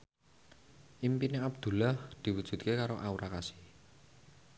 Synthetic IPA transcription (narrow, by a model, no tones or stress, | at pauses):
ʔimpineab̚d̪̥ṳlahd̪̥i̤wudʒ̥ṳt̪̚kekaɾoʔauɾakasi̥h